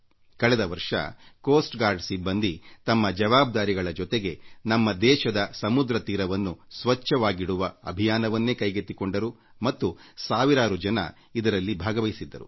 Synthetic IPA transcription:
kɐɭɛd̪ɐʋɐɾʂɐ̰koːsʈɡaːɾɖsibːɐnd̪it̪ɐmːɐd͡ʒɐʋaːb̚d̪aːɾiɡɐɭɐd͡ʒɔt̪eɡe̞nɐmːɐd̪ɛːʃɐd̪ɐsɐmud̪ɾɐt̪iːɾɐʋɐnːusʋɐt͡ʃːɐʋaːɡiɽuʋɐɐ̰bʱijaːnɐʋɐnːeːkɐjɡet̪ːiko̞ɳɖɐɾu | mɐt̪ːusaːʋiɾaːɾud͡ʒɐnɐ̰ | id̪ɐɾɐlːibʱaːɡɐʋɐjsid̪ːɐɾṵ

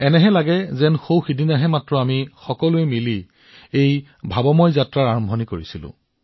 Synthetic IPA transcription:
ɛnɛɦɛlaɡɛzɛnxowxidʱinaɦɛmatɹɔamixɔkɔlʊɛmili | ej | bʱabɔmɔjzatɹaɹaɹɔmbʱonikoɹisilʊ̰̃

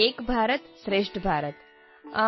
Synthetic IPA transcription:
eːkbʱaːɾət̪sɾeːʂʈbʱaːɾət̪

